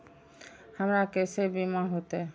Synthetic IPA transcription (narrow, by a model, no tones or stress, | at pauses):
hamɾakesebimaɦot̪e